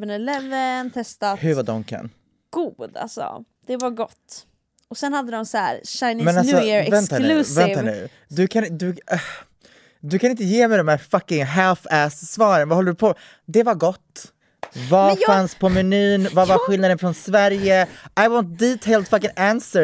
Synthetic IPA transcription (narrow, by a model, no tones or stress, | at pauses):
vənɛlɛvːənt̪ʰɛst̪ahɵɾvad̪ɔ̰ŋkʰə̰n | ɡ̥uːd̪a̰lsɔ̰ | d̪̥ɛvaɾɡɔt̪ː | ɔsɛnhad̪ːəd̪ɔmsæːɾʃajnmɛnalsɔɛvɛnt̪ːaʉvɛnt̪aʉ̰ | d̪ɵkʰand̪ɵ | d̪ɵkʰanɪnt̪̬əjeːmɛjd̪ɔmhæːɾfakɪŋɦɛlfɛssvɑːɾənvahɔlːəɾɵpʰɔ | d̪ɛvaɾɡɔt̪ː | vafanspʰɔmɛnyːnvavaɾɧɪlnad̪ənfɾɔnsvæɾjəajwɔnt̪̚d̪iːt̪ʰeɪld̪fakɪŋænsə